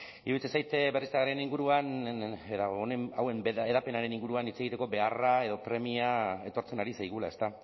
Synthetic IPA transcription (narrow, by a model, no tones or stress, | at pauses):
ḭβilt͡sesajt̪eβrisaɣaɾeniŋɡuɾuaneðaonemawe̞meðape̞naɾe̞niŋɡuɾuanit͡seɣit̪e̞ko̞be̞arae̞ðo̞pɾe̞miae̞t̪o̞ɾt͡se̞naɾisajɣ̞ula̰e̞st̪a